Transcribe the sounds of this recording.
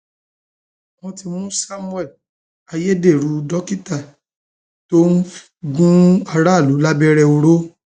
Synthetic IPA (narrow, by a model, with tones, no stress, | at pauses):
mɔ̃˧ti˧mũ˦sa˦mu˦ɛ˦˨ | a˧je˦de˦˨ɾu˨˧˦dɔ˦ki˦ta˦˨ | to˦n̩˦f | ɡũ˦a˧ɾa˦˨lu˨˦la˦bɛ˦ɾɛ˧o˧ɾo˦